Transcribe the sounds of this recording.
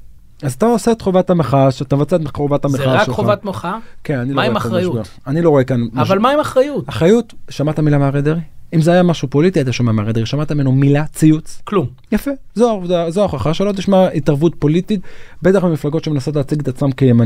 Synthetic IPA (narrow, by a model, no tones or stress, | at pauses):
azat̪aoseet̪χovatameχaʃat̪amevat͡seetmχovathameχakeχovatmoχakenaniloiemaaʁajʃuɡa | aniloʁoekanmaʃvalmaimaχʁajutaχʁajutʃamat̪amilameaʁed̪eʁiimzeajamaʃupo̞litiat̪̬aʃamameaʁed̪eiʃamat̪ame̞numilat͡siut͡sklum | jafe | zoadazoaoχaχaʃelo̞t̪̬iʃmaitaʁvutpo̞lititbe̞t̪aχmimiflaɡo̞tʃemenaso̞t̬leaːt͡siɡet̪at͡smamkejeman